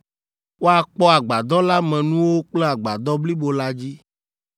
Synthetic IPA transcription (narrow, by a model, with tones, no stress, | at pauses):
wo˦a˨k͡pɔ˦a˨ɡ͡ba˨d̪ɔ˦la˦mɛ̃˨nũ˦wo˦k͡plɛ˦a˨ɡ͡ba˨d̪ɔ˦bli˦bo˨la˦d͡ʑi˦